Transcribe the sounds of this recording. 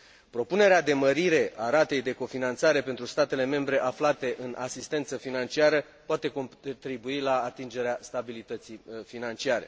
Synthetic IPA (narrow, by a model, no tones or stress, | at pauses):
pɾo̞pune̞ɾead̪e̞məɾiɾe̞ʔaɾat̪e̞jd̪e̞ko̞finant̪saɾe̞pe̞nt̪ɾust̪at̪e̞le̞me̞mbɾe̞ʔaflat̪e̞ʔɨnʔa̰sist̪e̞nt̪səfinant͡ʃiaɾə | poat̪e̞ko̞t̪ɾibuilaːt̪ind͡ʒe̞ɾeast̪abilit̪ət̪sifinant͡ʃiaɾe̞̰